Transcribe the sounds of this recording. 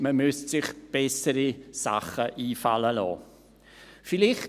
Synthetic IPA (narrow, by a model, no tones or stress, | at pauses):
məmʉstsɪχb̥ɛsəɾisa̰χəʔiːfa̰ləlo̰ː | fɪlɪχt